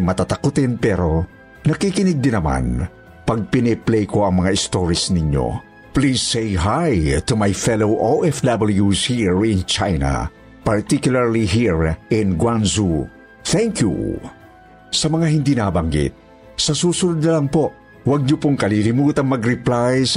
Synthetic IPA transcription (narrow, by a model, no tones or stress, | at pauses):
mɐt̪at̪akʊt̪ɪnpɛɾo | nɐkikɪnɪɡ̚d̪ɪnɐma̰n | pɐɡ̚pɪnɛplejkoɐŋmɐŋaɪst̪oɹisnɪɲjo̰ | plizːejɦajt̪umajfɛlowʔowɛfd̪abɐljuzhiɹɪnt͡ʃajna̰ | pɐɹt̪ikjʊlaɹliɦiɹɪnɡwanzu | θɛŋkjṵ | sɐmɐŋaɦɪnd̪inabaŋɡɪ̰t̪̚ | sɐsuːsʊnʊd̪̚nɐlɐŋpo | wɐɡ̚ɲʊpoŋkɐlilɪmuːt̪ɐŋmɐɡɾɪplajs